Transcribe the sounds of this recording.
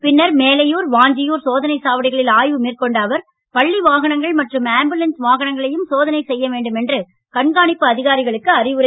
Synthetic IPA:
pɪnːɐɾmeːlɐjuːɾʋaːɲd͡ʒɪjuːɾsoːðɐnɐɪsaːʋɐɽɪɣɐɭɪlaːjʋɯmiːrkɔɳɖaːʋɐɾ | pɐɭːiʋaːɣɐɳɐŋɡɐɭmɐʈrɯmaːmbɯlɐnsʋaːɣɐɳɐŋɡɐɭɐjɯmsoːðɐnɐɪsɛjːɐʋeːɳɖɯmɛndrɯ | kɐɳɡaːɳɪpːɯɐðɪɣaːɾɪɣɐɭɯkːɯɐrɪʋɯɾɐ

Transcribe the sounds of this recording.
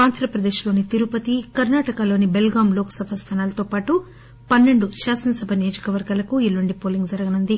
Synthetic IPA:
aːnd̪ʱɾɐpɾɐd̪eːʃlo̞ːnit̪iɾupɐt̪ikɐɾnaːʈɐkalo̞ːnibelɡaːmloːkɐ̥sɐbʱɐst̪ʰaːnaːlɐt̪oːpaːʈu | pɐnːe̞ɳɖuʃaːsɐnɐsɐbʱɐnijod͡ʒɐkɐʋɐɾɡaːlɐkuilːuɳɖipoːliŋɡd͡ʒɐɾɐɡɐnund̪i

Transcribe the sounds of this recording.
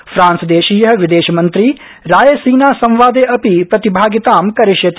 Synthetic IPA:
fʰɾaːnsd̪eːʃiːjɐɦɐ̆ʋid̪eːʃɐmɐnt̪ɾi | ɾaːjesiːnaːsɐ̃mʋaːd̪eːʔɐpipɾɐt̪ibʱaːɡit̪aːmkɐɾiʃjɐt̪

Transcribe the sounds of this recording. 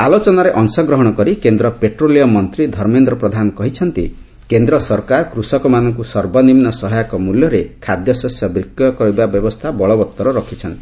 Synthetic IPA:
alot͡ʃɔnaɾeʔɔŋsɔɡɾɔɦɔɽ̃ɔkɔɾikend̪ɾɔpeʈɾolijɔmɔnt̪ɾid̪ʱɔɾmend̪ɾɔpɾɔd̪ʱanɔkɔɦit͡ʃʰɔnt̪ḭ | kend̪ɾɔsɔɾkaɾkɾusɔkɔmanɔŋkusɔɾbɔnimnɔsɔɦɔjakɔmuljɔɾekʰad̪jɔsɔsjɔbɾikːjɔkɔibabjɔbɔst̪ʰabɔɭɔbɔt̪ːɔɾɔɾɔkʰit͡ʃʰɔnt̪i

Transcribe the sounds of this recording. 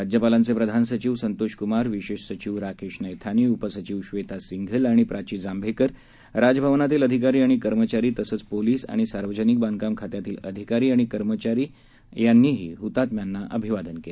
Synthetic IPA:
ad͡ʑjəpalant͡sepɾəd̪ʱansət͡ɕiʋsənt̪oɕkumaɾʋiɕeɕsət͡ɕiːʋɾakʰeɕnəjt̪ʰaniːupəsət͡ɕiʋɕʋet̪asiŋɡʱəlaɽ̃ipɾʔat͡ɕiːd͡zambʱekəɾ | ɾad͡zbʱəʋnat̪iːləd̪ʱikaɾiːaɽ̃ikəɾmət͡ɕaɾiːt̪əsəːt͡spoliːsa̰ɽ̃isaɾʋəd͡ʑənik̚bãnkamkʰat̪jat̪iːləd̪ʱikaɾiːaɽ̃ikəɾmət͡ɕaɾiː | janːiːɦḭːɦut̪at̪mjanːaʔəbʱiʋad̪ənkele

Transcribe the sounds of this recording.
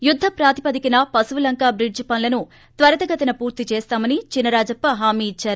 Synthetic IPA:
jud̪ʱːɐpɾaːt̪i̥pɐd̪ikinɐpɐsuʋɐlɐŋkaːbɾiɖd͡ʒpɐnlɐnu | t̪ʋɐɾɐt̪ɐɡɐt̪ɐnɐpuːɾt̪it͡ʃeːst̪aːmɐnit͡ʃinːɐɾaːd͡ʒɐpːɐɦaːmiːit͡ʃːaːɾu

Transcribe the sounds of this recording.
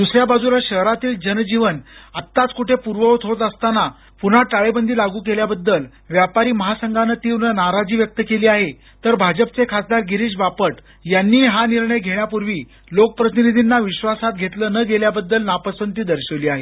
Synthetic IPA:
d̪usɾjabad͡zulaɕəɦɾat̪iːld͡ʑənd͡ʑiʋənat̪ːat͡skuʈʰepuɾʋəot̪ɦot̪əst̪ana | pun̤aʈaɭebənd̪ʱiːlaɡuːkeljabəd̪ːəl | ʋjapaɾiːməɦasəŋɡʱanət̪iʋnənaɾad͡ʑiːʋjək̚t̪əkeliːaɦe | t̪əɾbʱad͡ʑəp̚t͡sekʰasd̪aɾɡiɾiːɕbapəʈ | janːiːɦaniɾɳəjɡʱeɳjapuɾʋiː | lokəpɾət̪inid̪ʱinːaʋiɕʋasat̪̚ɡʱet̪ləːnəɡeljabəd̪ːəlnapəsənt̪iːd̪əɾɕəʋliːaɦḛ

